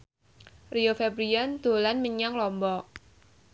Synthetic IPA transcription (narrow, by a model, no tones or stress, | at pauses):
riofɛbɾiand̪̥o̤lanməɲaŋlɔmbɔ